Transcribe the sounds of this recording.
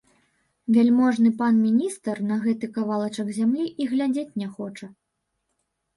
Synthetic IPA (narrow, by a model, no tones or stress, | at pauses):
vʲɛlʲmɔʐnɨpanmʲinʲist̪ɐrnɐɣɛt̪ɨkavalˠɐt͡ʂɐɡzʲamlʲiʔiɣlʲad͡zʲet͡sʲnʲɛxɔt͡ʂɐ